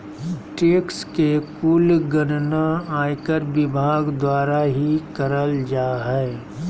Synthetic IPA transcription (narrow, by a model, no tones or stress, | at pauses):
ʈeːkskekʊːlɡənnaaːjkəɾʋɪbʱaːɡd̪waːɾaɦikəɾəld͡ʒaːɦɛː